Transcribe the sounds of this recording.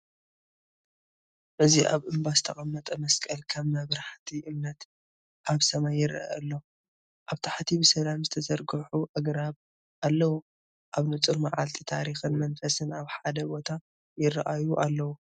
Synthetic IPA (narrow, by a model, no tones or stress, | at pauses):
ʔɨziʔa̰βʔɨmbazɨt̪ʰɐχʼɐmːɐt̪ʼɐmɐskʼɐlkʰɐmːɐβɾaħt̪ʰiʔɨmnɐt̪ | ʔaβsɐmajːɪɾa̰ʔɐlːo̞ | ʔaβt̪ʰaħt̪ʰibɨsɐlamzɨt̪ʰɐsɐɾɡɐħuʔɐɡɾaβ | ʔalːɐwu | ʔaβnɨt͡sʼɨɾmaʕa̰lt̪ʰit̪ʰa̰ɾixɨnmɐnfɐsɨnaβħad̪ɐbo̞t̪ʰa | jɪra̰ʔajuʔalːɐwu